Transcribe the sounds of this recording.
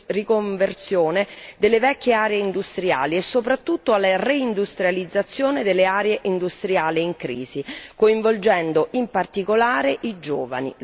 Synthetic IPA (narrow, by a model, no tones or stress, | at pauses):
rikoɱvert̪sjoːned̪elːevɛkʲːeaːɾeeind̪ust̪ɾia̰ːliesːopɾat̪ːut̪ːoalːareind̪ust̪ɾjalid̪zːat̪sːjoːned̪elːeaːɾeeʔind̪ust̪ɾiaːliiŋkɾḭːzikoiɱvold͡ʒɛnd̪oʔimpart̪ikolaːɾeʔid͡ʒoːva̰nḭ